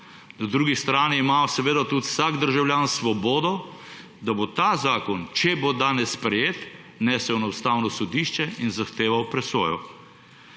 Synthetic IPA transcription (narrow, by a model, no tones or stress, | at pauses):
nad̪ɾuːɡist̪ɾaːniːmasɛʋeːd̪at̪ut̪wsaːɡd̪əɾʒawljaːnsʋɔbɔːd̪ɔ | d̪abot̪aːzaːkɔnt͡ʃɛbod̪aːnɛsːpɾɛjeːt̪ | nɛːsɛwnɐwst̪awnɔsɔd̪iʃt͡ʃɛinzaxt̪eːʋawpɾɛsʋɔ̰ːjɔ